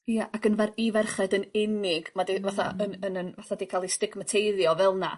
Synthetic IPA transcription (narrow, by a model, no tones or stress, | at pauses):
jaʔakənvɛrivɛrχɛdənɪnɪɡmadivaθa̰ənənənvaθadiːkʰalˠistɪɡmətʰejðjɔvɛlˠna